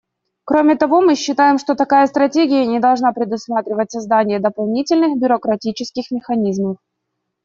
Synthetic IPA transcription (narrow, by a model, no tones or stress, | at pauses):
kɾo̞mʲɪt̪ɐvo̞mɨɕːɪt̪ajɪmʂt̪o̞t̪ɐkajəst̪ɾɐtʲeɡʲɪjənʲɪd̪ɐlˠʐnapɾʲɪd̪ʊsmat̪ɾʲɪvətʲsɐzd̪anʲɪjəd̪əpɐlˠnʲitʲɪlʲnɨxbʲʊɾəkɾɐtʲit͡ɕɪskʲɪxmʲɪxɐnʲizməf